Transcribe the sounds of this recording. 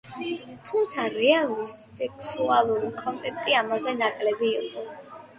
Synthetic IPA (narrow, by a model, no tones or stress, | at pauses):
t̪ʰumt̪sʰaɾɛalˠuɾiɛkʰsualˠuɾikʼɔnt̪ʼɛk̚ʰt̪ʼiamazɛnakʼlɛbiːqʼɔ